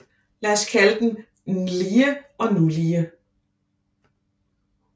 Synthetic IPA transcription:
læːskʰæləd̥n̩ | nliːəɒ̽nuliːə

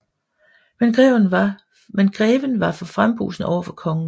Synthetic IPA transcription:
menɡ̥ʁɛ̰ʊnɑ | menɡ̥ʁɛːʋənʋɑ̈fɒ̽fʁamb̥ṵːsn̩ʔɒ̰ʊɐfɒ̽kʰɒ̽ŋn̩

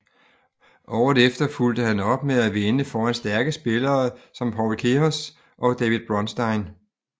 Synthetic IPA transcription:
ʔɒʊ̰ð̩ˠefd̥ɐfuld̥əhænɒ̽b̥meðˠæʋenəfɒːænsd̥æɐɡ̥əsb̥e̝lɐːsɒ̽mpʰɒʊlkʰeɒs | ʔɒ̽d̥ɛʋið̥ˠb̥ʁɒ̽nsd̥ɑ̈ɪn

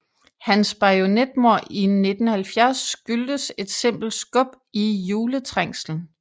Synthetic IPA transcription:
hænsb̥ɑo̝ned̥̚mo̝ɐ̰ine̝d̥n̩hælfjæɐsːɡ̥yld̥əse̝d̥se̝m̰b̥l̩̥sɡ̥ɔ̽b̥ | ijuːlət͡sʰʁaŋ̰sln̩

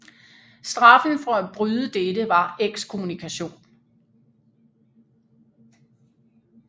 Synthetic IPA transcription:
sd̥ʁɑ̈fn̩fɒ̽æb̥ʁyðˠəd̥edəʋɑ̈eɡ̥skʰo̝munikʰæɕo̝̰ːn

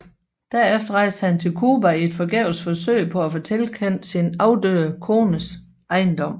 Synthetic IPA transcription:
d̥æɐefd̥ɐʁɑ̈ɪ̰sd̥əhænt͡sʰe̝lkʰuːbæie̝d̥fɒ̽ɡ̥ɛʊ̰sfɒ̽søɪ̰pʰɒ̽æfot͡sʰelkʰen̰d̥sinɑ̈ʊd̥øɐkʰo̝ːnəs | ʔɑ̈ɪnd̥ɒ̽m̰

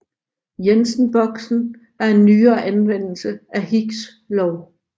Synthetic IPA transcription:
jensn̩b̥ɒ̽ɡ̥sn̩ | ɑe̝nːyːɐːʔænʋen̰l̩səæhiɡ̥s | lɒʊ

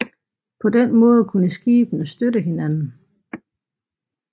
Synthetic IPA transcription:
pʰɒ̽d̥enmɔ̽ːð̞̩ˠkʰunəsɡ̥iːb̥n̩əsd̥ødəɦe̝nænn̩

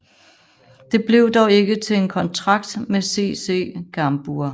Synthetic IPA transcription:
d̥e̝b̥le̝ʊd̥ɒʊe̝ɡ̥ət͡sʰe̝enkʰɒ̽nt͡sʰʁɑ̈ɡ̥̚d̥mese̝̰ːse̝̰ːɡ̥ɑmb̥uɐ

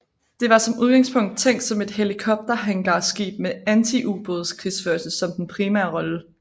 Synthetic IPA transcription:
d̥e̝ʋɑ̈sɒ̽mʔuð̞ˠɡ̥ɑ̈ŋspʰɔ̽ŋ̰d̥̚t͡sʰeŋ̰d̥sɒ̽me̝d̥ɦe̝likʰɒ̽b̥̚d̥ɐɦæŋɡ̥ɑsɡ̥ḭːb̥̚meænt͡sʰiʔub̥oð̞̩ˠskʰʁisføɐlsəsɒ̽md̥en̩pʰʁiːmæɐʁɒ̽lə

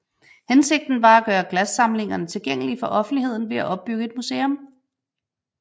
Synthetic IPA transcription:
hense̝ɡ̥̚d̥n̩ʋɑ̈æɡ̥ɶːɐɡ̥læsːɑ̈mle̝ŋɐnət͡sʰe̝lɡ̥eŋ̰əlifɒ̽ʔɒ̽fn̩d̥ihe̝ð̞̰ˠn̩ʋe̝æʔɒ̽b̥̚ːyɡ̥əe̝d̥musḛːɔm

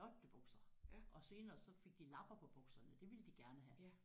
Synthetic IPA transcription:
ɒd̥əb̥ɔ̽ɡ̥sɐʔɒ̽se̝ːnɐːsɒ̽fe̝ɡ̥̚d̥ilɑ̈b̥ɐpʰɒ̽b̥ɔ̽ɡ̥sɐnəd̥e̝ʋe̝ləd̥iɡ̥æɐnəɦæ

